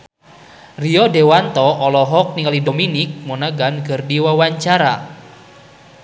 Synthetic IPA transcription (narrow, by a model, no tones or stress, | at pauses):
riɔdewant̪ɔʔɔlɔɦɔk̚niŋalidominɪk̚monaɡanɡərdiwawaɲt͡ʃaɾa